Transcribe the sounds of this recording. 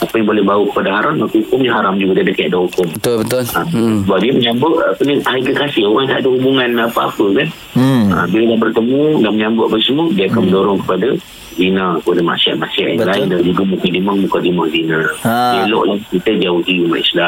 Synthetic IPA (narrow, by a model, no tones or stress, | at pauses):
apəjaŋbolɛhbaupəndaɦaɾanmakəhukʊmɲaɦaɾamd͡ʒuɡadiadakajaʔdahukʊmət̪bət̪ʊlamsəbap̚diəməɲambʊʔapənihaiɡəkasɪoɣaŋt̪aʔaʔdaɦubuŋãnapəa̰pəkan | əbiladabərt̪əmũlaməɲambʊʔapəsəmudiaakanmə̃ndoɾʊŋkə̥pada | zinakkəpadama̰ʔsia̰ʔ̪̚ma̰ʔsia̰ʔjaŋlaɪndand͡ʒuɡamũkadimaŋmukadimaʔzinaiəlɔ̰ʔlahkit̪əd͡ʒaʊhdiuma̰ʔḭsla